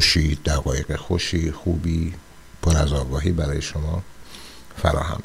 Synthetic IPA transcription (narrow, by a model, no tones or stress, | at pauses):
oʃiːd̪̥æɣɒːje̞ɡexoʃiːxuːbiː | pʰoɾæzɒːɡɒːɦiːbæɾɒːjeʃomɒː | fæ̰ɾɒ̰ːhæ̰m